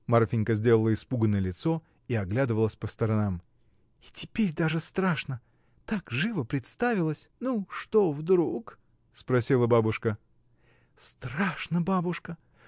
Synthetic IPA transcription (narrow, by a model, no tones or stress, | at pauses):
marfʲɪnʲkəzʲdʲelˠəlˠəɪspuɡənːəjəlʲɪt̪so | iɐɡlʲad̪ɨvəlˠəsʲpəst̪əɾɐnam | ɪtʲɪpʲeɾʲd̪aʐɨst̪ɾaʂnə | t̪akʐɨvəpɾʲɪt̪st̪avʲɪlˠəsʲnuʂt̪ovd̪ɾuk | spɾɐsʲilˠəbabʊʂkə | st̪ɾaʂnəbabʊʂkə